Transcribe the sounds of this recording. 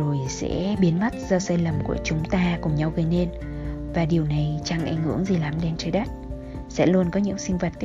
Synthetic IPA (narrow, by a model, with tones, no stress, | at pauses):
o˨˩jsɛ̰˧˥ɓi˨˦ənma˦˥t̚zɔ˧saː˧jlə˨˩mku˧˩ət͡ɕʊ˨˦ŋ͡mt̪aː˧kʊ˨˩ŋ͡mɲa˧wɣəː˨˦jne˧n | vaː˨˩ɗi˨˩əwna˨˩jt͡ɕa˧ŋʔa̰˧˩jŋ̟hɨ̰˧˥əŋzi˨˩la˨˩mɗe˧nt͡ɕəː˨˧˦jɗa˦˥t̚ | sɛ̰˧˥lu˧ənkɔ˨˦ɲɨ̰˧˥ŋsï˧ŋ̟və˨˩t̚